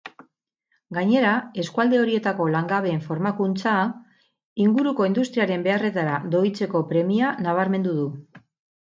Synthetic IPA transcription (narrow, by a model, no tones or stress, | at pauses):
ɡaɲe̞ɾae̞skuald̪e̞o̞ɾie̞t̪ako̞laŋɡaβe̞ːɱfo̞ɾmakunt͡sa | iŋɡuɾuko̞ind̪ust̪ɾiaɾe̞mbe̞are̞t̪aɾaðo̞it͡se̞ko̞pɾe̞mianaβ̞aɾme̞nd̪uðu